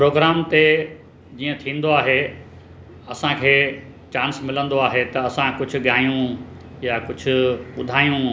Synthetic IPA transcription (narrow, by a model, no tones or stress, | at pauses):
pɾoːɡɾaːmt̪e | d͡ʑiːə̃t̪ʰĩːn̆d̪oaːɦe | ɐsãkʰeː | t͡ɕãːnsmɪlə̃nd̪oaːɦet̪ɐɐsãkʊd͡ʑʱʊ̆ɠaːjũjakʊd͡ʑʱʊ̆ɓʊd̪ʱaːijũ